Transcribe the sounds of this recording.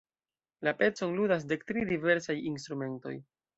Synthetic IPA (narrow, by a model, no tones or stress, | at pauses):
lape̞t͡so̞nludas̬de̞k̚tɾidive̞ɾsajins̬t̪ɾume̞nto̞̰j